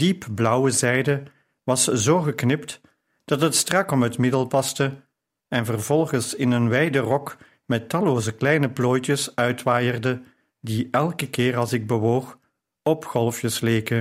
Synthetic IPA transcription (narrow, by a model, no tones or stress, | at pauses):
d̥ipblʌwəzɛjdə | ʋɑszoːɣəknɪpt | d̥ɑtɦətstrɑkɔmɦətmɪdəlˠpɑstə | ɛnvərvɔlˠɣənsɪnənʋɛjdərɔk | mɛtːɑloːzəklɛjnəploːjtəsœɥtʋaːjərdə | diʔɛlˠkəkɪːrɑlˠzsɪɡ̚bəʋoːx | ɔpxɔlˠfjəsleːkə